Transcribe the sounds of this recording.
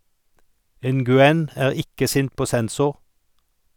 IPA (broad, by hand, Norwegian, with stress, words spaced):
ˌɛnɡʉˈɛn ə ˈæːɾ ˈɪkə ˈsɪnt ˈpoː ˈsɛnˌsʊɾ